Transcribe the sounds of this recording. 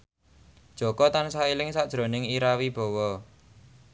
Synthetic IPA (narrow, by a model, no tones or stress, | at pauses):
d̥ʒ̥ɔ̤kɔt̪ansailɪŋsaʔd̥ʒ̥ɾonɪŋiɾawib̥ɔ̤wɔ